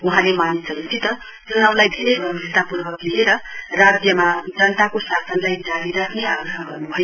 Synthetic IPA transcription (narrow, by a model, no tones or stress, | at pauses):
uɦãlemanisʌkit͡sʰit̪ʌ | tuɦãw̃lajd̪ʱeɾebit̪apurbʌklieɾʌrad͡zjʌmad͡zʌnt̪akosasʌnlajd͡zaɽiɾakʰneaɡrɦãɡʱʌrnubʱʌj